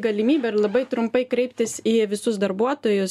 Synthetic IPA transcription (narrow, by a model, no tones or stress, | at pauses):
ɡɐlʲɪmʲiːbʲɛɪɾlˠɐbɐɪt̪ɾʊmpɐɪkɾʲɛɪpʲt̪ʲɪsiːʋʲɪsʊsd̪ɐɾbuɔt̪oːjʊs